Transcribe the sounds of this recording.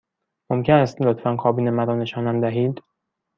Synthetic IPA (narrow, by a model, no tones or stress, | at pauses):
momcʰenæst̪lot̪fænkʰɒːbiːnemæɾɒːne̞ʃɒːnæmd̪æɦiːd̪